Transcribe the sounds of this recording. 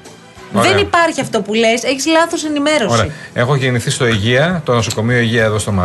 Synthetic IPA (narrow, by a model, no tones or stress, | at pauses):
oɾðenipɐɾçiɐft̪opule̞se̞çizlɐθo̞se̞nime̞ɾo̞oseiɐe̞xoʝeniθist̪oiʝiɐt̪onosoko̞mioiʝiɐeðo̞st̪o̞mɐ